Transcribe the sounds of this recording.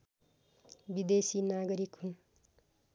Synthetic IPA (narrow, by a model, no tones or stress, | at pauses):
bid̪esinaɡʌɾikɦun